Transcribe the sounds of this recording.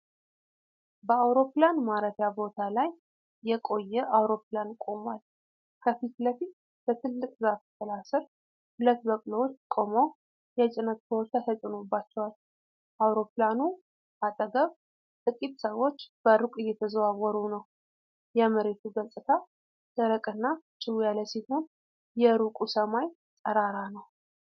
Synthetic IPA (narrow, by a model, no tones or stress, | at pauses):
bəawɾo̞pʰlanmaɾəfjabo̞t̪ʰalaj | jɛkʼo̞jːɛʔawɾo̞plankʼo̞mal | kʰəfit̪ləfit̪̚ | bət̪ʰɨlːɨkʼzafsəlasɨɾ | hʊlət̪bəkʼləwot͡ʃːkʼo̞mow | jɛt͡ʃʼɪnət̪̚kʰot̪ʰəhɨt̪ʼɨnobːat͡ʃːɛwal | ʔawɾo̞planu | ʔat̪ʼəɡəβ | t̪ʼɨkʼit̪səwo̞t͡ʃːb̥əɾukʼjɛt̪ʰəzəwawɔɾunəw | jɛməɾe̞t̪ʰuɡəsʼɨt̪ʰa | səɾəkʼɨnːat͡ʃʼɪwjaləsihon | jɛɾukʼusəmaj | t̪ʼəɾaɾanəw